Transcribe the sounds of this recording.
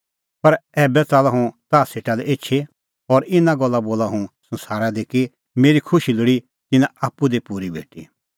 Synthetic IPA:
pɐɾɛːbɛt͡saːlaɦũt̪aːseːʈalɛeːt͡ʃʰe | ɔːɾɪnãɡɔlːaboːlaɦũsɐ̃nsaːɾad̪eːki | meːɾikʰʊʃilʊɽi | t̪ɪnãaːpːud̪epuɾibʱḛːʈḭ

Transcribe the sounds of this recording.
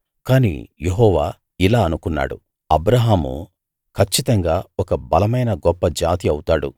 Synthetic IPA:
kaːnḭjeɦɔːʋaː | ilaːɐnukunːa̰ːɽṵ | ɐbɾɐɦaːmṵ | kʰɐt͡ʃːit̪ɐŋɡaːɔkɐbɐlɐmɐjnɐɡɔpːɐd͡ʒaːt̪iɐwut̪aːɽṵ

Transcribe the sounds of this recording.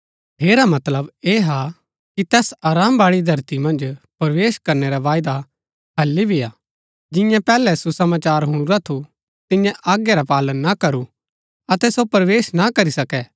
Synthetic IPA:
ɦeːɾamɐt̪ləbeːɦa | kit̪ɛːsaːɾaːmbaːɭid̪ʱɐɾt̪imɐ̃nd͡ʒpɐɾʋeːʃkɐɾneɾaʋaːɪd̪a | ɦɐlːibʱiaː | d͡ʒɪ̃jãpɛːlɛsusɐmaːt͡ʃaːɾɦʊ̃ɽ̃ʊɾat̪ʰu | t̪ɪ̃jãʔaːɡjaɾapaːlənːakɐɾu | ɐt̪ɛsopɐɾʋeːʃnakɐɾisɐkɛː

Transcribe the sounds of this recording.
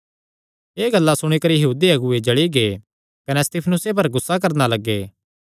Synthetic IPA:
eːɡɐlːasʊɽ̃ekɐɾijɐɦuːd̪iɐɡʊed͡ʒɐɭiɡeː | kɐnɛst̪iːpʰnʊsep̬ɐɾɡʊsːak̬ɐɾnalɐɡːeː

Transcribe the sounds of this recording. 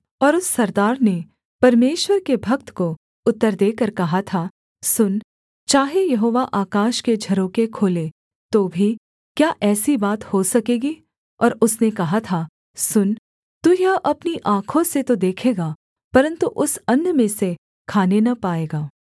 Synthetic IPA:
ɔːɾʊsːɐɾd̪aːɾne | pɐɾmeːʃwəɾkebʱɐk̚t̪ko | ʊt̪ːəɾd̪eːkɐɾkɐɦat̪ʰaː | sʊn | t͡ʃaːɦejɐɦoːʋaʔaːkaːʃked͡ʒʱɐɾõkekʰoːle | t̪oːbʱi | kjaːʔɛːsibaːt̪hosɐkeːɡi | ɔːɾʊsnekɐɦat̪ʰaː | sʊn | t̪ujɐʔɐpniʔãːkʰõset̪od̪eːkʰeːɡaː | pɐɾə̃nt̪uʔʊsɐnːmẽse | kʰaːnenɐpaːeːɡaː

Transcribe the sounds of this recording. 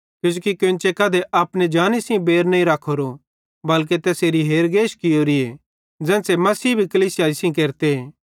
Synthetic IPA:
kjʊ̃d͡ʒokikʊ̃nt͡ʃekɐːd̪eʔaːpned͡ʒaːnisĩbeːɾnɐĩɾaːkʰoɾo | bɐlk̬et̪ɛːseːɾiɦeːɾɡeːʃkɪjoɾie | d͡zɛ̃ːsemɐsiːbʱikɐliːsɪjaːɪsĩk̬eːɾt̪eɦeː

